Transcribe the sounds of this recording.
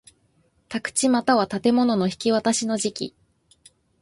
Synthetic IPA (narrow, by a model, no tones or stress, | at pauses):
t̪akɯ̟̥t͡ɕimat̪aβat̪at̪e̞mo̞no̞no̞çi̥kʲiβat̪aɕino̞ʑikʲḭ